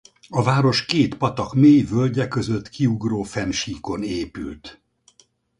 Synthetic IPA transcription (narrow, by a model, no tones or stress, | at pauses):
ɒvaːɾo̞ʃkeːt̪pɒt̪ɒkmeːjvølɟɛkø̞zø̞t̪kʰiuɡroːfɛnʃiːko̞neːpy̰lt̪